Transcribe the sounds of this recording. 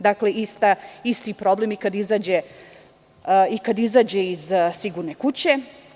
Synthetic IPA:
d̪akle̞ist̪aist̪ipɾoblemikad̪izaːd͡ʑe | ikad̪izaːd͡ʑeizsiɡuɾnekut͡ɕe̞

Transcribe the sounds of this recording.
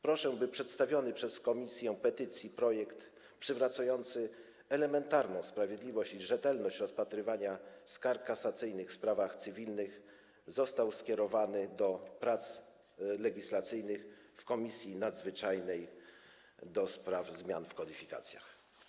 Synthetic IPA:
pɾɔʂɛbɘpʂɛt̪st̪avʲjɔnɘpʂɛskɔmʲisʲjɛ̃pɛt̪ɘt̪sʲjipɾɔjɛkt̪ | pʂɘvɾat̪sajɔnt̪sɘ | ɛlɛmɛnt̪aɾnɔ̃w̃spɾavʲjed̪lʲivɔɕt͡ɕiʐɛt̪ɛlnɔɕt͡ɕɾɔspat̪ɾɘvaɲaskaɾkkːasat̪sɘjnɘxfspɾavaxt̪sɘvʲilnɘx | zɔst̪awskʲɛɾɔvanɘd̪ɔpɾat̪s | lɛɡʲislat̪sɘjnɘxfkɔmʲisʲjinad̪zvɘt͡ʂajnɛj | d̪ɔspɾavzmʲja̰nfkɔd̪ifʲika̰t̪sʲja̰x

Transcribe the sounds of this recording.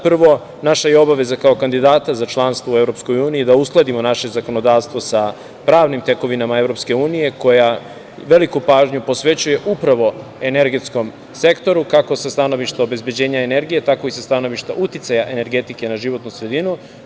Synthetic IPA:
pr̩ʋo̞ | naʃajeo̞baʋe̞zakaokand̪id̪aːt̪azat͡ʃlˠanst̪ʋoue̞vɾo̞psko̞juːniid̪ausklˠad̪imo̞naʃe̞zako̞no̞d̪aːʋst̪vʋo̞sa | pɾaːʋnimt̪e̞ko̞ʋinamae̞vɾo̞pske̞uːnije̞ko̞ja | ʋe̞likupaːʒɲupo̞sʋe̞t͡ɕuje̞ʔupɾaʋo̞e̞ne̞ɾɡe̞t̪sko̞m | se̞kt̪o̞ɾukako̞sast̪ano̞ʋiʃt̪aobe̞zbje̞d͡ʑe̞ːɲaene̞ɾɡije̞t̪ako̞isast̪ano̞ʋiʃt̪aʔut̪it̪sajaʔe̞ne̞ɾɡe̞t̪ike̞naʒiʋo̞t̪nusɾe̞d̪inu

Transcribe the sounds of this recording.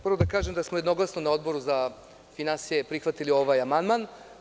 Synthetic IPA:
pɾrʋod̪akaːʒemd̪asmojed̪no̞ɡlˠasnonao̞d̪bo̞ɾuza | finansijepɾixʋat̪ilio̞ʋajamand̪man

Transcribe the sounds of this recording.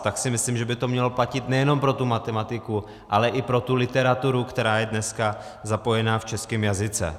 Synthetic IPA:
t̪aksɪmɪslimʒɛbɪt̪o̞mɲɛloplacɪt̪nɛjɛno̞mpɾo̞t̪umat̪ɛmat̪ɪku | ʔalɛʔɪpɾo̞t̪ulɪt̪ɛɾat̪uɾukt̪ɛɾaːjɛdnɛska | zapo̞jɛnaːft͡ʃɛskɪmjazɪt͡sɛ̰

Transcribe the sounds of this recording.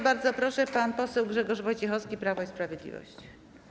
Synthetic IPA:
baɾd̪zɔpɾɔʂɛpanpɔsɛwɡʐɛɡɔʐvɔjt͡ɕɛxɔfskʲipɾavɔispɾavʲjɛd̪lʲḭvɔ̰ɕt͡ɕ

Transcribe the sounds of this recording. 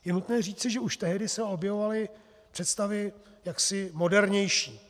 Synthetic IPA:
jɛnut̪nɛːr̝iːt͡sɪʒɛuʃt̪ɛɦdɪsɛo̞bjɛvo̞valɪ | pr̥ɛt̪st̪avɪ | jaksɪmo̞dɛɾɲɛjʃiː

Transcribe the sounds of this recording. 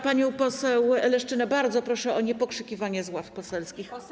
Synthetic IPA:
paɲɔ̃w̃pɔsɛwlɛʂt͡ʂɘnɛbaɾd̪zɔpɾɔʂɛʔɔɲɛpɔkʂɘkʲivaɲɛzwafpɔsɛlskʲix

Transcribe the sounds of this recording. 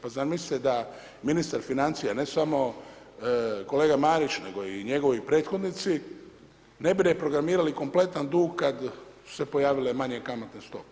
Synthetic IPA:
paznaːɾmisi̥t̪ed̪a | minist̪aɾfinant̪sijane̞samo̞ | ko̞le̞ːɡamaːɾit͡ʃne̞̰ɡo̞iɲe̞ɡo̞ʋojpɾeːt̪xo̞d̪nit̪si | ne̞biɾepɾo̞ɡɾamiːɾaliko̞mple̞t̪and̪uːɡkad̪su̥se̞po̞jaːʋile̞maɲekamot̪nenst̪o̞p

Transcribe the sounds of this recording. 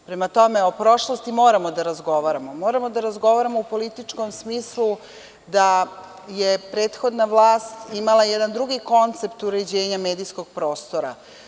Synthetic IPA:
pɾe̞mat̪o̞me̞o̞pɾo̞ʃlˠost̪imo̞ːɾamo̞d̪aɾazɡo̞ʋaɾamo̞mo̞ːɾamod̪aɾazɡo̞ʋaɾamoupo̞lit̪it͡ʃko̞msmiːslˠu | d̪a | jepɾe̞ːt̪xo̞d̪naʋlˠaːst̪imalajɛd̪and̪ɾuɡiko̞nt̪se̞pt̪uɾe̞d͡ʑe̞ːɲame̞ːd̪ijsko̞ɡ̥̚pɾo̞ːst̪oɾa̰

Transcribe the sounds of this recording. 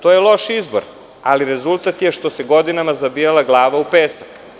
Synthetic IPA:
t̪ojelˠo̞ʃizbo̰ɾ | a̰liɾe̞zulˠt̪at̪jeʃt̪o̞seɡo̞d̪inamazabijalˠaɡlˠaːʋaupeːsak

